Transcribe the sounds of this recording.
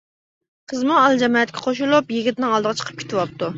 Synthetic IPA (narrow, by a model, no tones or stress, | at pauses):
qʰəzmuɑlˠd͡ʒɛmɑːɛt̪kʲʰɛqʰoʃulˠupjiɡʲɪt̪nɪŋɑlˠd̪əʁɑt͡ʃʰə̥qʰə̥p̚kʲʰe̥t̪ʰɪwɑp̚t̪u